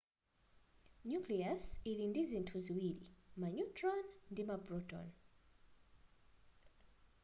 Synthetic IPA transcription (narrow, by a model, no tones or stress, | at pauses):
ɲukliasilindizin̩tʰuziwilḭmaɲutɹɔnndimabɾɔtɔ̰n